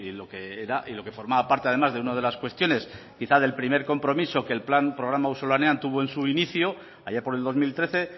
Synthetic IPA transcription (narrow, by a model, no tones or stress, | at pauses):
ilo̞ke̞eɾaʔilo̞ke̞fo̞ɾmaβapaɾt̪eaðe̞mazðe̞unað̞e̞laskwe̞st̪jo̞ne̞s | kiθaðe̞lpɾime̞ɾko̞mpɾo̞miso̞ke̞ːlplampɾo̞ɣ̞ɾamauso̞laneãnt̪uβ̞oe̞nsuiniθjo | a̰jeɾpoɾe̞ld̪o̞zmilt̪ɾe̞θe̞